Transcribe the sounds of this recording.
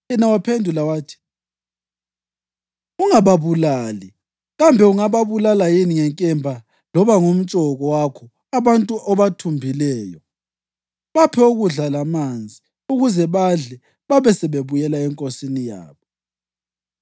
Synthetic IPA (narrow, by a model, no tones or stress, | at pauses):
jɛnawapʰendʱulawaːtʰi̥ | uŋaβaβulaːli | ɣambʱɛuŋaβaβulalajiniŋɛŋkʼɛmbʱa | lɔβaŋom̩t͡ʃʼɔɣɔwakʰɔ | aβantʼuʔɔβatʰumbʱilɛːjɔ | βapʰɛoɣuɮalamand͡zʱi | uɣuzɛβaɮɛ | βaβɛsɛβeβujɛlaɛŋkʼosinija̰ːβɔ